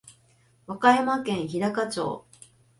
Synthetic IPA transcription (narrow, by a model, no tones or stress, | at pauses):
βakaemakẽ̞ɰ̃çiɾakat͡ɕo̞̰ː